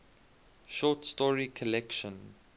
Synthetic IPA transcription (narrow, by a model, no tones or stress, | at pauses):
ʃɔtstɔɹikʰɔlɛkʃɔ̃n